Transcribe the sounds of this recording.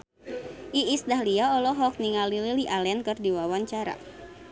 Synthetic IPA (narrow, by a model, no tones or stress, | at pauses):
ʔiisdahliaɔlɔɦɔk̚niŋalililiʔalɛnkɨrdiwawaɲt͡ʃaɾa̰